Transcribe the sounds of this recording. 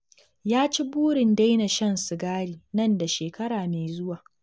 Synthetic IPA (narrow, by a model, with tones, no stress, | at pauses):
jaː˦t͡ʃi˦buː˦ɽɪ˨nda˦jna˨ʃɐ˦nsʊ˨ɡaː˦ɽiː˨nɐ˦nda˨ʃeː˨kɐ˦ɽaː˨meː˨zʊ˦waː˨